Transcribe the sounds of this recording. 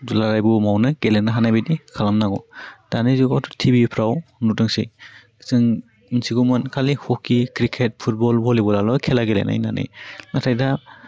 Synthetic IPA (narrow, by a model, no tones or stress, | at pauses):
zulaɾajbumawnɯɡelenaɦanajbidikʰalamnaɡɔd̥anɯjzuɡɔtɔtʰibipʰɾawnutɯŋsi | zɯŋ | nsiɡumɯnkʰalihɔkikɾikʰet̚pʰut̚bɔlbɔlibɔlalɔkʰelaɡelḛna̰jna̰nɯ̰jnatʰajda